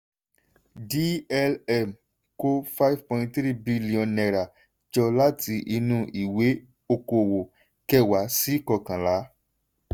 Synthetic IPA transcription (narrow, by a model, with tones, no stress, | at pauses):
di˦ɛ˧lɛ˦˨m | ko˦fa˦i˨vpɔ̃˧˨ĩ˧ttɾi˦˨bi˦li˦ɔ̃˧nɛ˧ɾa˨ | d͡ʒɔ˧la˦ti˧ʔi˧nũ˧ʔi˨we˨˦ | o˧ko˧˨wo˨ | kɛ˦˨wa˨˦si˦kɔ˧kã˨la˨˦